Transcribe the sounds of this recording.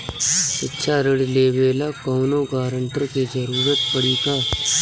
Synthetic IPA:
sɪtːʃʰaɾəɽleːʋeːlakɔːnoɡaːɾəɳʈɾked͡ʒəɾuːɾət̪pəɽ̤iːk̪aː

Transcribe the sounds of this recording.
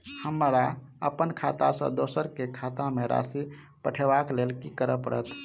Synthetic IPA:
həmɾa | əpənkʰat̪asə̰̃d̪osəɾkekʰat̪ameɾa̰si | pəʈʰebaklelkikəɾəpəɾə̰t̪

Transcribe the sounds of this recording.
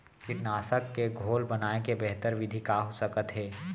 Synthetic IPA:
kɪʈnaːsəkːeɡʱoːlbɐnaːekebɛɦt̪əɾʋɪd̪ʱikaɦosəkət̪ɦɛː

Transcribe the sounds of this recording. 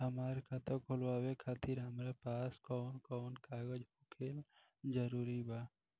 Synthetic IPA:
ɦəmaːɾekʰaːt̪əɾkʰolʋaːwekʰaːt̪iɾɦəmɾapaːskɔːnkɔːnkaːɡəd͡ʒɦokʰel | d͡ʒəɾuːɾibaː

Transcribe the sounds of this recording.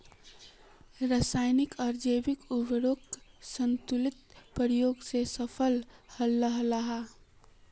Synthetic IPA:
ɾəsaːɪnɪkɔɾd͡ʒeːbɪkʊbəɾoːksə̃nt̪ʊlɪt̪̚pəɾjoːɡsesəpʰəlhəlːəɦɾaɦa

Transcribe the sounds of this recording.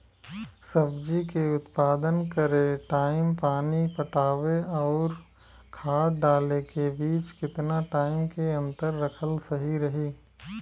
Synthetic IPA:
sɐbd͡ʒikeʊt̪paːd̪ənkɐɾeʈaːɪmpaːnipɐʈaːʋeɔːɾ | kʰaːɽɖaːlekebiːt͡ʃkɪt̪naʈaːɪmkeɐ̃nt̪əɾːɐkʰəlsɐɦiɾɐɦiː

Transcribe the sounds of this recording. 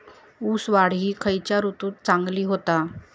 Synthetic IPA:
uːsʋaɽ̤iːkʰəjt͡ɕjaɾut̪uːt̪̚t͡sãŋɡliːɦot̪a

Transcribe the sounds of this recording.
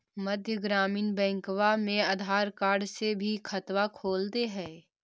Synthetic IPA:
mɐd̪ʱjəɡɾaːmiːnbɛ̃ːŋkʋamẽad̪ʱaːɾkaːɾɖsebʱikʰɐt̪wakʰoːlt̪eɦɛ̃ː

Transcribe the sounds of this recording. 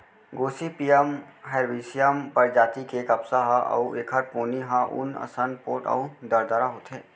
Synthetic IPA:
ɡoːsipiːəmɦɛɾʋiːsijəmpɐɾd͡ʒaːt̪ikeːkɐpsaɦãʔɐ̰ueːkʰəɾpoːniɦãʔʊ̰nɐ̰sənpoːʈɐ̰ud̪əɾd̪əɾaɦoːt̪ɛ̃ː

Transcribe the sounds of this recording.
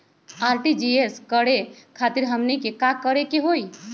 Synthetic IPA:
aːɾʈid͡ʒieskəɽekʰaːt̪ɪɾɦəmnikekakəɽekeɦoːi

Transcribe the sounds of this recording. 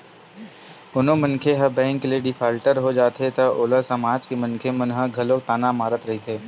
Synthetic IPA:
ʊnõmɐ̃nkʰeɦɐbɛ̃ːŋklieɖɪpʰaːlʈəɾɦod͡ʒaːt̪ɦet̪ɐʔoːlasɐmaːd͡ʒkemɐ̃nkʰemɐ̃nɦəɡʱɐlot̪aːnamaːɾət̪ɾɐɦit̪ʰeː

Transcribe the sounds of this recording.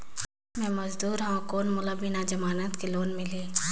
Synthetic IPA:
mɛ̃mɐzd̪uːɾɦãkoːnmʊlabɪnad͡ʒɐmaːnət̪keloːnmɪliː

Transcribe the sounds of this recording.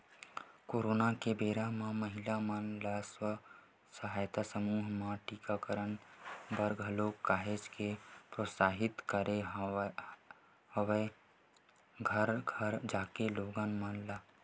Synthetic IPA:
koːɾoːnakebeːɾamãməɦɪlamənlaswə | səɦaːjt̪asəmuːɦmãʈiːkakəɾənbəɾɡʱəloːkkːaːɦed͡ʒkepɾosaːɦɪt̪kəɾe | həwe | ɡʱəɾɡʱəɾd͡ʒaːkeloːɡənmənlaː

